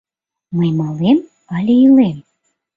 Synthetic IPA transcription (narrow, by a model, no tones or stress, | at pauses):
məjmɑlem | ɑlʲiilem